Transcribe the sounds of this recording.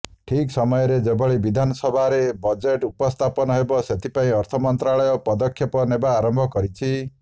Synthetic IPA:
ʈʰiksɔmɔjɔɾed͡ʒebɔɭebid̪ʱanɔsɔbʱaɾebɔd͡ʒeʈupɔst̪ʰapɔnɔɦebɔset̪ʰipaĩɔɾt̪ʰɔmɔnt̪ɾaɭɔjɔpɔd̪ɔkʰːjepɔnebaːɾɔmbʱɔkɔɾit͡ʃʰi

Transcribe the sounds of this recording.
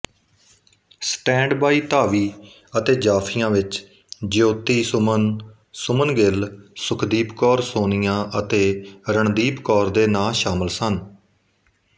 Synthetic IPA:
sʈɛ̃ːɳɖbaːiːt̪aːʋiː | ət̪eːd͡ʒaːpʰɪjãːʋɪt͡ʃ | d͡ʒjoːt̪iːn | sʊmənɡɪlsʊkʰd̪iːpkɔːɾsoːnɪjãːʔət̪eːɾəɳd̪iːpkɔːɾd̪eːnaːʃaːməlsən

